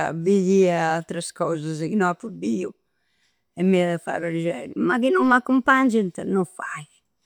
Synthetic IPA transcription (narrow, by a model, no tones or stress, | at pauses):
a̰bijiaalt̪ɾaskɔzazkinɔapːubiu | ɛmːiaðɛfa̰ːɾaɾd͡ʒɛɾumakinɔmmakːumpand͡ʒint̪nɔfa̰j